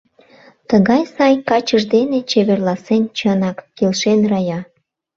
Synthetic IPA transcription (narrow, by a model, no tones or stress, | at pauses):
t̪əɣɑjsɑjkɑt͡ɕəʒd̪enet͡ɕeβerlˠɑsent͡ɕənɑkkelʃenrɑjɑ